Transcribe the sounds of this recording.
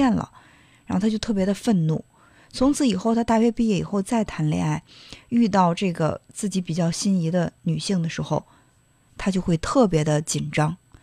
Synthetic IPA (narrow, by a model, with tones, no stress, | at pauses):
ɛ˥˩nlə̰˩ | ɻa˨˧˥xo˥˧˩t̪ʰa˥t͡ɕo˥˧ʊt̪ʰɤ˥˩p̬jd̪ə˧fə˥˧nnu˥˩ | t͡sʰʊ˧˥ŋt͡sʰɹ̩˨˧˥i˨˩xo˥˧ʊt̪ʰa˥t̪a˥˧ɥɛ˥˧pi˥˧jɛ˥˩ḭ˨˩xo˥˧ʊt͡sa˥˩ɪt̪ʰa˧˥nlɛ̰˧˥a˥˩ɪy˥˧t̪ɑ˥˧ʊʈ͡ʂɤ˥˩ɡə̰˩t͡sɹ̩˥˩t͡ɕi˧˥pi˨˩t͡ɕjɑ˥˩ʊɕi˥ni˧˥d̪ə˧ny˨˩ɕi˥˩ŋd̪ə˩ʂɻ̩˧˥xo̰˥˧ʊ | t̪ʰa˥t͡ɕjo˥˧xwe˥˧ɪt̪ʰɤ˥˩p̬jɛ˧˥d̪ə˧t͡ɕi˨˩nʈ͡ʂɑ˥ŋ